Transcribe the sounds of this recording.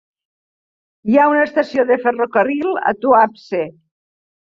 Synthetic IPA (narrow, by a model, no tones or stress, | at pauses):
jaunaest̪asioðeferokərilˠa̰t̪uapse